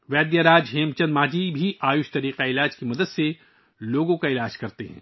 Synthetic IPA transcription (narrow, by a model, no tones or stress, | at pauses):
ʋɛːd̪jaɾaːd͡ʒɦeːmt͡ʃɐ̃nd̪maːd͡ʒibʱiʔaːjʊʃt̪ɐɾiːqaɪlaːd͡ʒkimɐd̪əd̪se | loːɡõkaɪlaːd͡ʒkɐɾt̪eɦɛ̰̃ː